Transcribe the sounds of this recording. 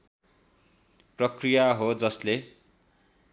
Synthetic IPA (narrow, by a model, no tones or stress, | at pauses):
prʌkrijaɦod͡zʌsle